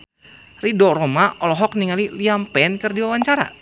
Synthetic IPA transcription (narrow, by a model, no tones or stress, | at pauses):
ridɔɾɔmaʔɔlɔɦɔk̚niŋaliliampɛnkɨrdiwawaɲt͡ʃaɾa̰